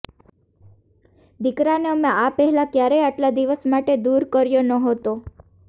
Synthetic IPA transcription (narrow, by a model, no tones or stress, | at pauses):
d̪ikɾaneəmẽapɛɦɛlakjaɾeaʈlad̪iʋəsmaʈed̪uɾkəɾjonəɦət̪o